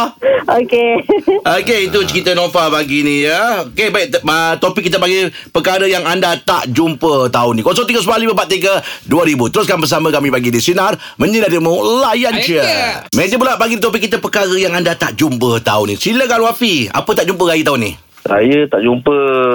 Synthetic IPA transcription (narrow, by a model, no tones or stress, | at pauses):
okeokeit̪ut͡ʃəɾit̪ənofabaɡinijəokebaiʔt̪opɪkːit̪əpaɡipəkaɾəjaŋandat̪a̰ʔd͡ʒumpət̪aʊnĩkosɔŋt̪iɡəs̬balibəbaʔ̚t̪iɡəduaɾibut̪əɾʊs̬kanbəs̬amə̃kamĩbaɡinisinar | məɲidadimulajant͡ʃəmed͡ʒəpulaʔpaɡidit̪opɪkːit̪əpəkaɾəjaŋandat̪aʔd͡ʒumpət̪a̰ʊnːḭsiləkanwafia̰pət̪aʔd͡ʒumpəɾajət̪aʊnːḭ | ɾa̰jət̪aʔd͡ʒumpə